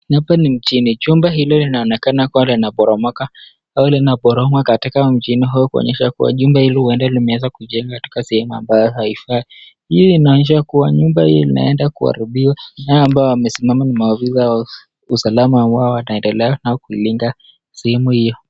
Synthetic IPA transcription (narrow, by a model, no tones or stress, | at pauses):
hapanim̩t͡ʃiniʄumbaɦilɔlinaɔnɛkanakualinaɓɔɾɔmɔka | awulinaɓɔɾɔmwakatikam̩t͡ʃiniɦujɔkuɔ̰ɲɛʃakṵwa̰ʄumbahilɔhuɛndalimɛwazakuʄɛŋɡakati̥kasɛhɛmua̰mbajɔhaifai | hijɔinaɔɲɛʃakuwaɲumbahijɔlina̰ɛndakua̰ɾiɓiwanaɔambaɔamɛsimamanimaavizawa | usalamaːmbaɔwanaɛndɛlɛanaɔkuiliŋɡa | sɛhɛmuhijɔ